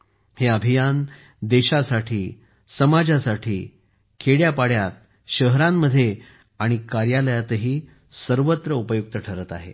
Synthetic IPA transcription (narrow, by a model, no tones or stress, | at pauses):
heəbʱijan | d̪eɕasaʈʰiː | səmad͡ʑasaʈʰiː | kʰeɽjapaɽjat̪̚ | ɕəɦɾamːəd̪ʱːje | aɽ̃ikaɾjaləjat̪ɦiː | səɾʋət̪ɾəupəjuk̚t̪əʈʰəɾət̪a̰ɦḛ